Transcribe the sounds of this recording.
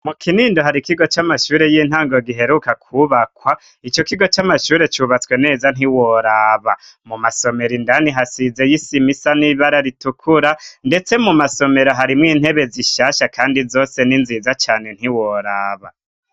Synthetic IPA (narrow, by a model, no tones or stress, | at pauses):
mukʰiniːndoɦaɾikiɡo̞t͡ʃamaʃuːɾe̞jiːn̥haːŋɡo̞ɡiɦe̞ɾukakʰuβakwa | it͡ʃo̞kiɡo̞t͡ʃamaʃuːɾe̞t͡ʃuβat͡swe̞ne̞ːzan̥iwoɾaβa | mumaso̞me̞ɾindaniɦasize̞jisimisaniβaɾaɾitukʰuɾande̞t͡se̞mumaso̞me̞ɾoɦaɾimŋiːn̥he̞βe̞ziʃaːʃakʰaːndizoːse̞ninzizat͡ʃaːne̞n̥iwoɾaːβa̰